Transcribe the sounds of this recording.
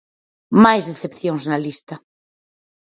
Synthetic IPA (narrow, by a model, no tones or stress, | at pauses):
majzðeθepθjoŋznalist̪a